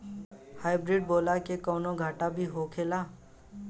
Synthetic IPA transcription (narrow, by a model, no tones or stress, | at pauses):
haːɪbɾɪːɖ̚boːlakekɔːnõɡʱaːʈabʱiɦokʰeːlaː